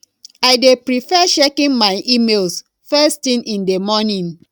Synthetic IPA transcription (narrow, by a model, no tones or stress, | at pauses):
aɪdepɹifɛʃekĩnmaɪʔimelˠs | fɛstĩnʔĩndemɔnĩn